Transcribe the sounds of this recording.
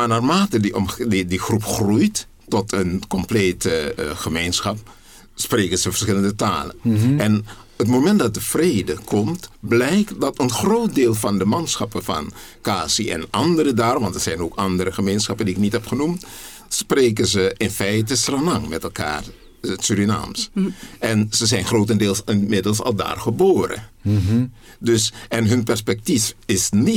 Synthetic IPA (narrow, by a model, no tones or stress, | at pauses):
maːnaːrmaːtədiɔmidiχrupχrujt | tɔtʰənkɔmpleːtəχəmejnsχɑp̚ | spreːkənzəvəɹsχɪləndəta̰ːlə̰nɛn | ətmomɛnt̚dɑt̚dəv̥rejdəkɔmtblɛjktdɑtənχrowt̚deːlˠvɑndəmɑnsχɑpəvɑ̰nkaːsiɛ̰nʔɑndəɾədaːrʋɑntɛtz̥ɛjnoːkɑndərəχəmejnsχɑpəndiɪknitɦɛpχənumt | spreːk̬ənzəɪnfɛjtəsranɑŋmɛtɛlˠka̰ːr | tsyɾina̰ːmsʔɛnzəzɛjnχrowtəndeːlˠsɪmɪdəlˠsɑ̰lˠda̰ːrχəboːrə̰ | dɵsʔɛnɦɵnpɛɹspɛk̚tifɪsni